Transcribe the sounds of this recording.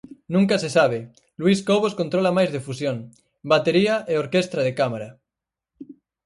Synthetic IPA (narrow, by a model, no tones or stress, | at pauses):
nũŋkasesaβ̞e | lwiskoβ̞oskont̪ɾolamajzðefusjoŋ | bat̪eɾiaʔeoɾkest̪ɾaðekamaɾa